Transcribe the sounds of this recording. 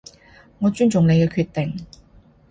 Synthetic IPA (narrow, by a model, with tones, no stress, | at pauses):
ŋɔː˨˧t͡ʃyː˥nt͡ʃʊ˨ŋle˨˧jkɛ˧kʰyː˧t̪ɪ˨ŋ